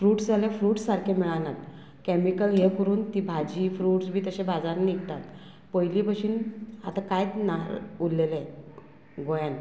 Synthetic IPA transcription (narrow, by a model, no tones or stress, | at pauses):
fɾuːʈsaljafɾuːʈsːaɾkʰemiɭanat̪ | kɛmikəlɦekəɾuːnt̪iːbʱad͡ʑiːfɾuːʈsbʱiːt̪əɕẽbad͡zaɾnikt̪at̪ | pəjlipəɕiːna̰t̪akajt̪naɾulːel | ɡojan